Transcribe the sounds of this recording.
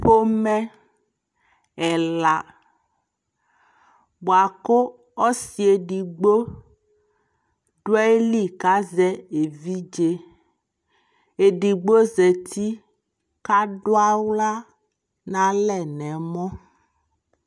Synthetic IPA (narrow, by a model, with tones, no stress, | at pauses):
ɸo˦mɛ̃˦ | ɛ˨la˨ | bo˨a˨ko˦ | ɔ˦si˨e˨ɖi˨ɡ͡bo˦ | ɖwɛ˦e˦li˦ka˦zɛ˦e˨vi˦d͡ʒe˦ | e˨ɖi˨ɡ͡bo˦ze˨t̪ʰi˦ | ka˦ɖo˦a˦wla˦ | nã˨lɛ˨nɛ̃˨mɔ̃˦